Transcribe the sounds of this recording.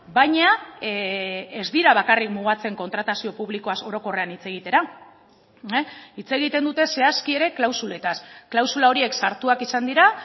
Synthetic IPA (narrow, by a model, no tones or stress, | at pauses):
bajɲa | ezd̪iɾaβ̞akarikmuɣ̞at͡se̞ŋko̞nt̪ɾat̪asio̞puβ̞liko̞aso̞ɾo̞ko̞re̞anit͡se̞ɣ̞it̪e̞ɾa | it͡se̞ɣit̪e̞nd̪ut̪e̞se̞askie̞ɾe̞klawsule̞t̪asklawsulao̞ɾie̞ksaɾt̪uakisand̪iɾa